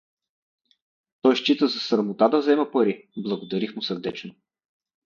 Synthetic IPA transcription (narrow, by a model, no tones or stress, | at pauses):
t̪ɔjʃt͡ʃit̪əzɐsɾmʊt̪ad̪ɐzɛmɐpɐɾiblˠɐɡʊd̪ɐɾixmʊsəɾd̪ɛt͡ʃnʊ